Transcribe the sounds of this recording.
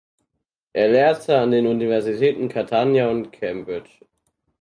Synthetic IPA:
ʔeːɐlɛːɐtʰəandeːnunivɛɐzitʰɛːtn̩kʰaɐtʰanjaʊntkʰɛmbʁɪt͡ʃ

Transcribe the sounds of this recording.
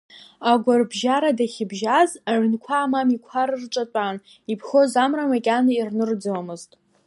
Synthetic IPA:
aɡʷarbʒaɾadaχʲɪbʒazaʕnkʷʰaːmamikʷʰaɾɨrʈ͡ʂʼat͡pʷʼan | ipʰχo̞zamramakʲʼanɨirnɨrd͡zɨwamɨztʼ

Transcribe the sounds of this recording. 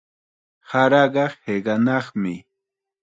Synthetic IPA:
haɾɑɢɑheɢɑnɑχmɪ

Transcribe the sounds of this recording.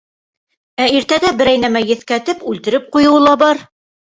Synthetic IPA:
æiɾt̪æd̪æbɘ̆ɾæjnæmæjɘ̆θkæt̪ɘpʉlt̪ɘ̆ɾɘp̚qujɤ̆wɤ̆lˠɑbɑɾ

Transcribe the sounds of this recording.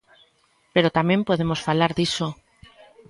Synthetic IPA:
peɾot̪amẽmpoðemosfalaɾðiso

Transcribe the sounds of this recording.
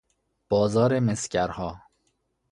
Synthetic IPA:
b̥ɒːzɒːɾemescæɾhɒː

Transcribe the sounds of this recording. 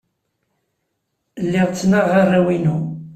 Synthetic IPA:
lːɪʁt͡sːnaʁarˤːawinu

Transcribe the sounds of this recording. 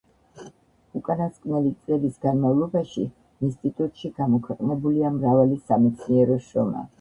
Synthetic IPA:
ukʼanaskʼnɛlit̪sʼlɛbisɡanmavlˠɔbaʃḭ | inst̪ʼit̪ʼut̪ʼʃiɡamɔkʰwɛqʼnɛbuliamɾavalisamɛt̪sʰniɛɾɔʃɾɔma̰

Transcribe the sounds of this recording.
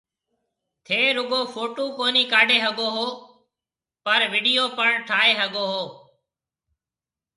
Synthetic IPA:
t̪ʰeːɾʊɠoːpʰoːʈoːkoːniːkaːɖeːɦəɠoːɦoː | pəɾʋɪːɖijoːpəɳʈʰaːeːɦəɠoːɦoː

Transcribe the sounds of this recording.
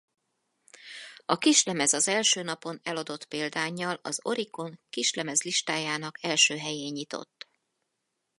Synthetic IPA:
ɒkiʃlɛmɛzɒzɛlʃøːnɒpo̞nɛlɒd̪o̞t̪peːld̪aːɲːɒlɒ̰zo̞ɾiko̞ŋkiʃlɛmɛzliʃt̪aːjaːnɒkɛlʃøːɦɛjeːɲːit̪o̞̰t̪ː

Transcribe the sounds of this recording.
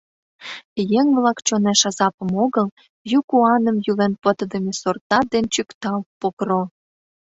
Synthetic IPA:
jeŋβlɑkt͡ɕoneʃɑzɑpə̆moɣəl | jukuɑnəmjylenpə̆t̪əd̪əmesort̪ɑd̪ent͡ɕykt̪ɑlpokro

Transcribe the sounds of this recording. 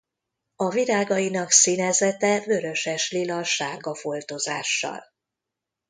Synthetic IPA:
ɒviɾaːɡɒjinɒksinɛzɛt̪ɛvøɾø̞ʃɛʃlilɒʃaːɡɒfolt̪ozaːʃːɒ̰l

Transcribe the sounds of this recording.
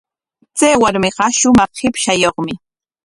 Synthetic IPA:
t͡sajwaɾmɪqɑʃʊmɑχhɪpʃajoχmɪ

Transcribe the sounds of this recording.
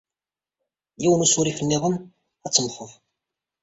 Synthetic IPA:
jiwənusuɾifənːɪðˤən | æt͡sːəmħəf

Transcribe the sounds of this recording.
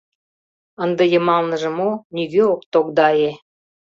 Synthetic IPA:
ə̆nd̪ə̆jə̆mɑlnə̆ʒə̆moniɣøokt̪okd̪ɑje

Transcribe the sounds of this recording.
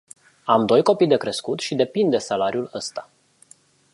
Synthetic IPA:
amd̪o̞jko̞pijd̪e̞kɾe̞skut̪ʃid̪e̞pind̪e̞salaɾiuləst̪ḁ

